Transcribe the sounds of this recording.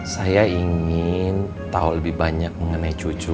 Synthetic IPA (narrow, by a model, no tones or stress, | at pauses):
sajaiŋɪn | t̪a̰uləbɪhbaɲak̚məŋənait͡ʃut͡ʃu